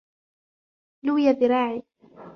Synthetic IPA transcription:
luːjabɪɾˤɑːʕiː

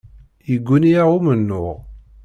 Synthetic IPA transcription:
jəɡʷːuniaʁumənːʊʁ

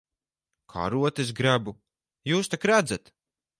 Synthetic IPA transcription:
kʰa̰ːɾuɔt̪es̬ɡɾabu | juːst̪akɾad̪zat̪

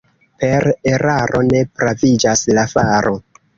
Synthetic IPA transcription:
pe̞ɾe̞ɾaɾo̞ne̞pɾavid͡ʒaslafaɾo̞

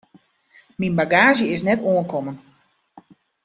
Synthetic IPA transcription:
minbaɡaːʒjəɪsnɛtoənkɔmən

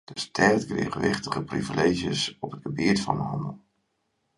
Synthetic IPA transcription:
d̥əstʰɛrtɡrɪ̰ːχəʋɪχtəχəprḭvileːʒjəsɔpət̚ɡəbɪətfɑ̰nəhɔnəlˠ

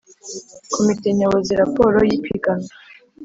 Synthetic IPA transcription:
kʰomite̞ɲoβoziɾapoːɾo̞jipʰiɡana

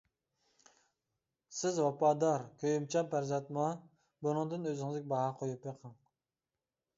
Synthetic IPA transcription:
sɪzwɑpɑːd̪ɑɾkʲʰøjymt͡ʃʰɑmpʰæɾzɑt̪mɑ | bunɨŋd̪ɨnøzɪŋɪzɪkʲɛbɑɦɑqʰojupeqʰɑŋ

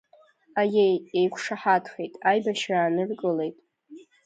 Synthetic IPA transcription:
ajejejkʷʰʂaħatʰχejtʼajbaʃraːnɨrkʼɨle̞jtʼ

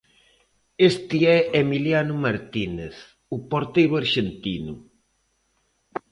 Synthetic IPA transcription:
est̪iɛemiljanʊmaɾt̪ineθ | upoɾt̪ejɾʊaɾʃent̪inʊ̰

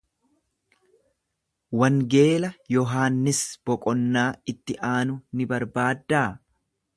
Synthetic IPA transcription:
wɐŋɡe̞ːlɐjɔɦaːnːɪsb̥ɔkʼɔnːaːɪt̪ːɪʔaːnʊnɪbɐɾbaːd̪ːaː

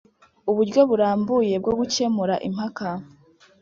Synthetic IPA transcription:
uβuɾɟjo̞βuɾaːmbuje̞b̚ɡo̞ɡuce̞muɾaʔim̥haka

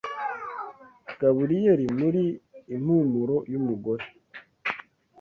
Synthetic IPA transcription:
ɡ̥aβuɾijeɾimuɾiːm̥humuɾo̞jumuɡo̞ɾe

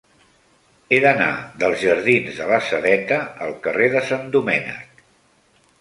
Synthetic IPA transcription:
eðəna̰ðəlˠzʒəɾð̞inzðələsəðɛt̪əːlˠkəreðəsand̪umɛnə̰k

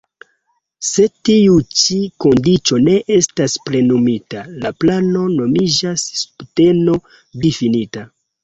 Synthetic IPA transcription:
se̞tiut͡ʃiko̞ndit͡ʃo̞ne̞ʔe̞staspɾe̞numitalaplano̞no̞mid͡ʒasːu̥pte̞no̞ | difinita

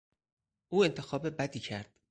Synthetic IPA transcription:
ʔuːe̞nt̪ʰe̞xɒːbebæd̪iːcʰæɾd̪̥

